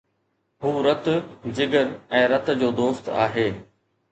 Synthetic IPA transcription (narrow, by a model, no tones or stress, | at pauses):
ɦuːɾɐt̪d͡ʑɪɡəɾɛ̃ːɾɐt̪d͡ʑoːd̪oːst̪a̰ːɦeː